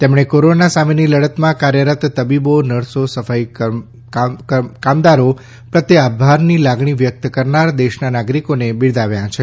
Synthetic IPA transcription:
t̪emɳekoɾonasameniləɽət̪mãkaɾjəɾət̪t̪əbibonəɽsosəfaj | kamd̪aɾo | pɾət̪jəabʱaɾnilaɡɳiʋjək̚t̪kəɾnaɾd̪eʃnanaɡɾikonebiɭd̪aʋjãt͡ʃʰe

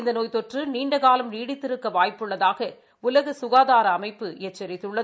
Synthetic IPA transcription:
nd̪ɐnoːjt̪ːɔʈrɯniːɳɖɐɣaːlɐmniːɽɪt̪ːɪɾɯkːɐʋaːjpːɯɭːɐðaːɣɐ | ʊlɐɣɯsʊɣaːðaːɾɐːmɐɪpːɯɛt͡ʃːɛɾɪt̪ːɯɭːɐ

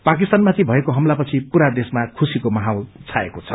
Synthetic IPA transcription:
pak̬ist̪anmat̪ʰibʱʌekoɦʌmlapʌt͡sʰipuɾad̪esmakʰusikomʌɦawlt͡sʰaḛkot͡sʰʌ̥̰

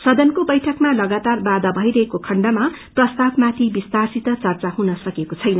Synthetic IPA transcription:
sʌd̪ʌnkobʌjʈʰʌkmalʌɡat̪arbad̪ʌbʱʌjɾʌɦekokʰʌɳɖʌma | prʌst̪abmat̪ʰibist̪arsit̪ʌt͡sʌrt͡saɦunʌsʌkekot͡sʰʌjnʌ

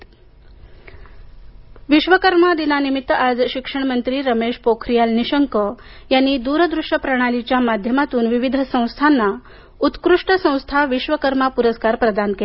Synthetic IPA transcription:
ʋiʃʋəkəɾmad̪inanimit̪ːad͡zɕikʂəɳ̃mənt̪ɾiːɾəmeʂpokʰɾijalniɕəŋkəjanːid̪uɾəd̪ɾuʂəpɾəɽ̃alit͡ɕjamad̪ʱjəmat̪uːnʋiʋid̪ʱəsə̃w̃st̪ʰanːa | ut̪kɾuʂʈəsə̃w̃st̪ʰaʋiʃʋəkəɾmapuɾəskaɾpɾəd̪anke

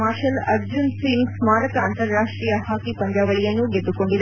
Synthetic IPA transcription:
aːɾʃɐlɐɾd͡ʒunsiŋɡsmaːɾɐk̪ɐːnt̪ɐɾːaːʂʈɾiːjɐɦaːkipɐɲd͡ʒaːʋɐɭijɐnːuɡed̪ːukoɳɖid̪

